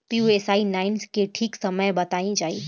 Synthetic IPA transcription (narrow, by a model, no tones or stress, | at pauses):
piuesaːinaːɪnskeʈʰiːksəməjbət̪aːĩd͡ʒaːḭː